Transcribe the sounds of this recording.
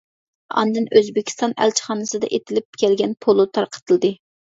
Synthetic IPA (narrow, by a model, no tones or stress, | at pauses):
ɑ̰nd̪ɨnøzbɪkʲʰi̥st̪ɑnæ̰lt͡ʃʰi̥χɑːnɨsɨd̪ɑ̰ʔet̪ʰɪlɪp̚kʲʰɛlɡʲɛnpʰolˠut̪ʰɑɾqʰə̥t̪ʰɨlˠd̪ɨ